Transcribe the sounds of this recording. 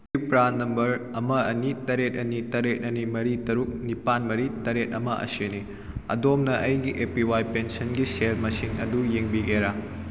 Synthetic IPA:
k̚pɾanɐmbɐɾɐmɐɐnitɐɾet̚ɐnitɐɾet̚ɐnimɐɾitɐɾuk̚nipanmɐɾitɐɾet̚ɐmɐʔɐ̰sene | ɐ̰domnɐʔɐjɡiʔepiwajpensɐnɡiseɾmɐsiŋɐ̰dujeŋbiɡeɾa

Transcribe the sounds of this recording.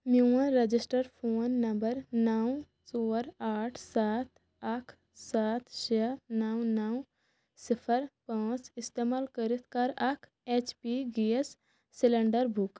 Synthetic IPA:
mjuə̃ɾɐd͡ʒɪsʈəɾpʰoːnːɐmbəɾnaw | soːɾaːʈʰsaːt̪ | ɐkʰ | saːt̪ʰt͡ʃenawnɐw | sɪpʰəɾpãːt͡ʃɪst̪eːmaːlkəɾɪt̪ʰkaɾɐkʰ | eːt͡ʃpiɡiesː | ɪləɳɖəɾbʱuk

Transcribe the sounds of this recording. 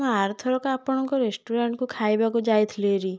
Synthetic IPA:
maaɾt̪ʰɔɾɔkɔapɔɽ̃ɔŋkɔɾesʈuɾaɳʈkukʰajbakud͡ʒajt̪ʰleɾi

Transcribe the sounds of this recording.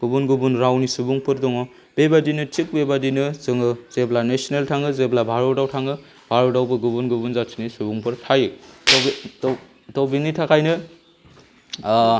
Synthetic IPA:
ɡ̥ubunɡubunɾawnisubuŋpɯɾdɔŋɔ | b̥ebadinɯtik̚bebadinɯzɯŋɯz̥eblanesineltʰaŋɯzeblabʱaɾɔdawtʰaŋɯ | bʱaɾɔdawbɯɡubunɡubunzat͡ʃʰinisubuŋpʰɯɾtʰajɯ | tɔwbinitʰakʰajnɯ

